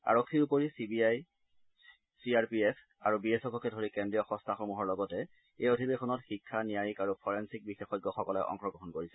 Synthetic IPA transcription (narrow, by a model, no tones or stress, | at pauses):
a̰ɹɔkʰːiɹupoɹisibiaj | sɹiaɹpies | aɹubiesɔkɔkɛdʱoɹikɛndɹijɔxɔ̃stʰaxomuɦɔɹlɔɡɔtɛ | ejodʱibexʰɔnɔtxikʰːanijajikaɹupʰɔɹensik̚bixexɔd̚ɡɔxɔkɔlɛʔɔ̰ŋkɹɔɡɹɔɦɔnkoɹisɛ